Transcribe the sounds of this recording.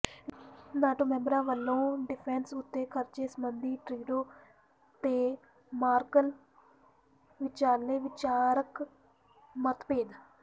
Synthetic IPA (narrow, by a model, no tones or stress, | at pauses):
nãːʈõːmɛ̃ːmbɾãːʋəlːõːɖɪpʰɛːnsʊt̪ːeːkʰəɾt͡ʃeːsəmənd̪iːʈɾiːɖoː | t̪eː | maːɾkəl | ʋɪt͡ʃaːɾleːʋɪt͡ʃaːɾək | mət̪peːd̪